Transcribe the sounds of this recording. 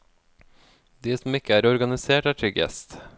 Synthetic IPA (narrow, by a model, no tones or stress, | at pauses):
d̪iːsɔm̩ɪkəæːɾɔɾɡɑnɪseːʈæːʈʰɾʏɡjɛ̰st̪